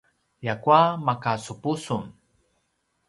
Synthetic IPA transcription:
jakwamakasupusum

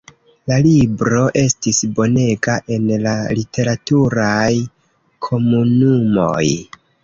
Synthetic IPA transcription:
lalibɾo̞ʔe̞stisbo̞ne̞ɡaʔe̞nlalitʰe̞ɾatuɾaj | kʰo̞munumo̞̰j

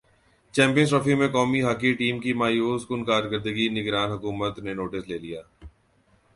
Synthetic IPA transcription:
t͡ʃɛ̃ːmpijə̃nsʈɔːfimẽkɔːmiɦaːkiʈiːmkimaːjuːskʊnkaːɾɡəɾd̪əɡinɪɡɾaːnɦɐkuːmət̪nenoːʈɪsleːlijaː

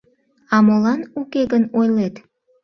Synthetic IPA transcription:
ɑmolɑnukeɡənojlet̪

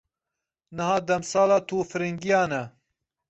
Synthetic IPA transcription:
nɨhɑːd̪ɐmsɑːlɑːt̪ʰuːfɨɾiŋɡijɑːnɛ

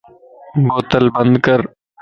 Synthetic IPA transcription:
ɡoːt̪əlbə̃nd̪kəɾ

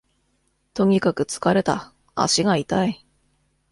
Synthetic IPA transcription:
t̪o̞ɲ̟ikakɯ̟t͡sɨ̥kaɾe̞t̪a̰ | a̰ɕiɡait̪ai

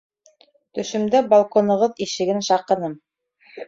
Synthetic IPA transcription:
t̪ɵ̆ʃɵ̆md̪æbɐlˠkonɤ̆ʁɤðiʃɘ̆ɡɘnʃɑqɤ̆nɤm

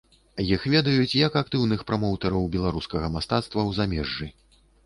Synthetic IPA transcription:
jixvʲɛd̪ɐjut͡sʲjɐkak̚t̪ɨwnɨxpɾɐmɔwt̪ɐɾɐwbʲɛlˠaɾuskɐɣɐmast̪at̪st̪vɐwzamʲɛʐːɨ

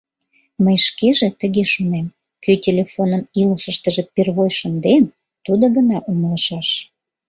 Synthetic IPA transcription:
məjʃkeʒet̪əɣeʃunem | kytʲelʲefonəmiləʃəʃt̪əʒepirβojʃənd̪en | t̪ud̪oɣənɑʔumələʃɑʃ

